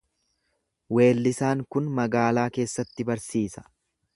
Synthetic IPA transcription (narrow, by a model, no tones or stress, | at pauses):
we̞ːlːɪsaːŋkʊnmɐɡaːlaːke̞ːsːɐt̪ːɪbɐɾsiːsɐ̥